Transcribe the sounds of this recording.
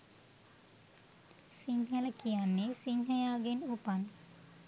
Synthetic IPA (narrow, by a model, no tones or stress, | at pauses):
siɲhɐlɐkːijanːesiɲɦɐjaːɡenupan